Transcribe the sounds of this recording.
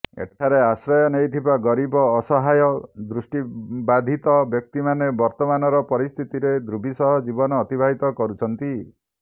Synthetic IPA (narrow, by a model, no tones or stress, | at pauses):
ḛʈʰaɾeasɾɔjɔnejt̪ʰibaɡɔɾibɔːsɔɦajɔd̪ɾusʈibad̪ʱit̪ɔbjɔk̚t̪imanebɔɾt̪ɔmanɔɾɔpɔɾist̪ʰit̪iɾed̪ɾubʱisɔɦɔd͡ʒibɔnɔːt̪ibʱaɦit̪ɔkɔɾut͡ʃʰɔnt̪i